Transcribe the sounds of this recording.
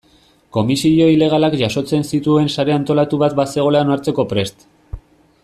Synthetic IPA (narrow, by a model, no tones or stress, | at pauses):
ko̞misiʎo̞ile̞ɣ̞alakʝaso̞t͡se̞nsit̪ue̞nsaɾe̞ant̪o̞lat̪uβat̪base̞ɣ̞o̞leanaɾt͡se̞ko̞pɾe̞st̪